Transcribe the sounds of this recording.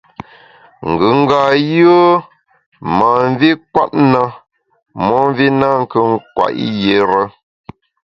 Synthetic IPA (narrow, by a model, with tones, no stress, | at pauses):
ŋ̩˨ɡɯ˨˦ŋ̩˦ɡa˨jə˦ | ma˨ɱ˦vi˦kwa̰˦t̚na˦ | mɔ˦m˦vi˦na˦ŋ̩˦kə˦ŋ˦kwa̰˨ʔḭ˦je˨˦ɾə˦